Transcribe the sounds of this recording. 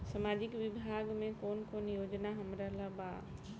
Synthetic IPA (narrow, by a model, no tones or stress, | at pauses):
sɐmaːd͡ʑɪkʋɪbʱaːɡmẽkoːnkoːnjoːd͡ʑnaɦɐmɾalabaː